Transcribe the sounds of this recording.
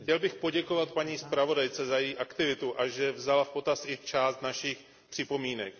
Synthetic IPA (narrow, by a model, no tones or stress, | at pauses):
xcɛlbɪxpo̞ɟɛkovat̪̚paɲiːspɾavo̞dajt͡sɛzajɛjiːʔakt̪ɪvɪt̪uʔaʒɛvzalafpo̞t̪asɪt͡ʃaːst̪naʃix | pr̥ɪpo̞miːnɛk